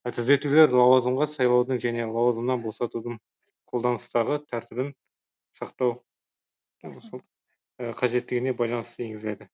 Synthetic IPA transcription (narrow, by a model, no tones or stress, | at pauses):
t̪ʰʏze̞t̪ule̞ɾlˠɑwɑzəmʁɑsɑjlˠɑwd̪əɴʒæne̞lˠɑwɑzəmnɑnbo̞sɑt̪ud̪əɴ | qʰo̞lˠd̪ɑnəst̪ɑʁət̪ʰæɾt̪ɪbɪn | sɑq̚t̪ɑw | əqʰɑʒe̞t̪ːɪɡʲɪne̞bɑjlˠɑnəst̪əe̞ŋɡɪzlejd̪ɪ